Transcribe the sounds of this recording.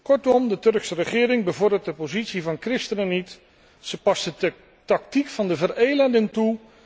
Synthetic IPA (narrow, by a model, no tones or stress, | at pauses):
kɔɹtɔmdətɵrksərəχɪːɾɪŋbəvʊːɹdət̚dəpozitsivɑnkrɪstənənit | səpɑstə | tɑk̚tikfɑndəvərejləndɪŋtu